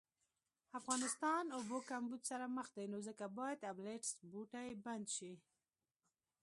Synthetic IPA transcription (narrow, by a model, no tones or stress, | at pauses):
afɣɑnɪst̪ɑnobokambud͡ʒsaɾaməxd̪ajnozəkabɑjad̪ableʈsbuʈajeband̪ʃi